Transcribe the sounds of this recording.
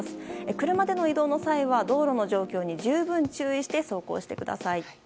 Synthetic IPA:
sɨ̥ekɯ̟ɾɯ̟mad̪e̞no̞id̪o̞ːno̞saiβad̪o̞ːɾo̞no̞ʑo̞ːkʲo̞ːɲ̟iʑɨːbɯ̟̃ɲ̟t͡ɕɨːiɕi̥t̪e̞so̞ːko̞̰ːɕi̥t̪e̞̰kɯ̟d̪a̰sai

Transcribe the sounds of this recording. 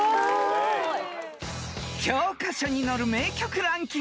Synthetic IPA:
kʰjʌkʰasʰʌɲinʌɾɯmekʲʰokʰɯɾaŋki

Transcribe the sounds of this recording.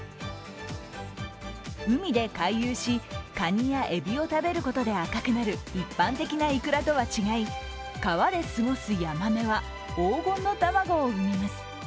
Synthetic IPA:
ɯ̟mʲid̪e̞kaijɯːɕikaɲ̟ĩjaʔe̞bʲio̞t̪abe̞ɾɯ̟ko̞t̪o̞d̪e̞akakɯ̟naɾɯ̟ipːãnt̪e̞kʲinaikɯ̟ɾat̪o̞βat͡ɕiɡai | kaβad̪e̞sɨɡo̞sɨjamame̞βa | oːɡõ̞nːo̞t̪amaɡoːɯ̟memasɨ̥

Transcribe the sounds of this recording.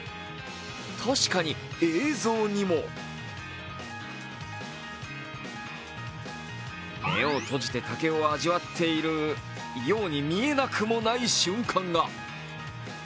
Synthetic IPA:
t̪ʰaɕi̥kaɲ̟ieːzo̞ːɲ̟imo̞ | me̞̰o̞t̪o̞ʑit̪e̞t̪ake̞o̞aʑiβat̪ʰːe̞iɾɯ̟ | jo̞ːɲ̟imʲie̞nakɯ̟mo̞naiɕɨ̃ŋkʰãŋɡa

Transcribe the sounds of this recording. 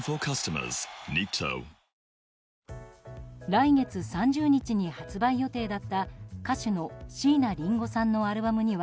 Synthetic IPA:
fəkʰʌstəmə̰z̥nitʰə̰ʊ | ɾaine̞t͡sɨsãɲ̟d͡ʑɨːɲ̟it͡ɕiɲ̟ihat͡sɨbaijo̞t̪e̞ːd̪at̪ːakaɕino̞ɕiːnaɾʲĩŋɡo̞sãnːo̞aɾɯ̟bamɯ̟ɲ̟iβa

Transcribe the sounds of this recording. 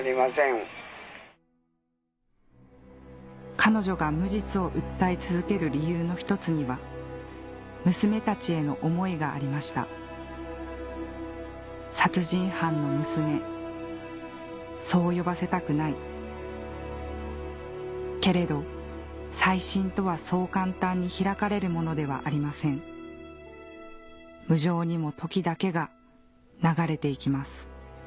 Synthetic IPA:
ɾʲimasẽŋ | kʰano̞ʑo̞ɡamɯ̟ʑit͡sɨo̞ʔɯ̟t̪ːait͡sɨzɨke̞ɾɯ̟ɾʲijɯːno̞çi̥t̪o̞t͡sɨɲ̟iβa | mɯ̟sɨme̞t̪at͡ɕie̞no̞ʔomo̞iɡa̰ːɾʲimaɕi̥t̪a̰ | sat͡sɨʑĩɰ̃hãnːo̞mɯ̟sɨme̞ | so̞ːjo̞base̞t̪akɯ̟nai | ke̞ɾe̞d̪o̞ | saiɕĩnt̪o̞β̞aso̞ːkãnt̪ãɲ̟ːiçiɾakaɾe̞ɾɯ̟mo̞no̞d̪e̞βa̰ʔaɾʲimasẽ̞ŋ | mɯ̟ʑo̞ːɲ̟imo̞t̪ʰo̞kʲid̪ake̞ɡa | naɡaɾe̞t̪e̞ikʲimasɨ̥

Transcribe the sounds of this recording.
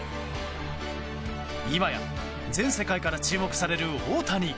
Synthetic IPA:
imaja̰ | d͡zẽ̞ɰ̃se̞kaikaɾat͡ɕɨːmo̞kɯ̟̥saɾe̞ɾɯ̟oːt̪aɲ̟i

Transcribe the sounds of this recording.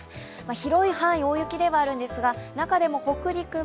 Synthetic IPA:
maçiɾo̞ihãɰ̃ĩo̞ːjɯ̟kʲid̪e̞βaːɾɯ̟̃nd̪e̞sɨɡanakad̪e̞mo̞ho̞kɯ̟ɾʲikɯ̟

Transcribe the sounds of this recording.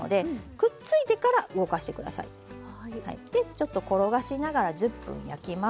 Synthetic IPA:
o̰d̪e̞kɯ̟t͡sɨit̪e̞kaɾaʔɯ̟ɡo̞kaɕi̥t̪e̞kɯ̟d̪a̰sa̰ḭ | ha̰ḭd̪̥e̞t͡ɕo̞t̪ːo̞ko̞ɾo̞ɡaɕinaɡaɾaʑɨpːɯ̰̃ɰ̃ja̰kʲima

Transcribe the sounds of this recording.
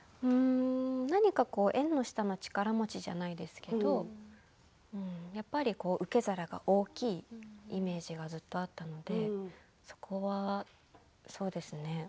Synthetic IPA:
ɯ̟̃ɴnaɲ̟ikako̞ːʔẽ̞nːo̞ɕi̥t̪ano̞t͡ɕi̥kaɾamo̞t͡ɕiʑa̰naid̪e̞sɨ̥ke̞d̪o̞ | ɯ̟̃ɴjapːaɾʲiko̞ːʔɯ̟ke̞zaɾaɡa̰ʔo̞ːkʲiːime̞ːʑiɡazɨt̪ːo̞at̪ːano̞d̪e̞ | so̞̥kʰo̞βa | so̞ːd̪e̞sɨne̞

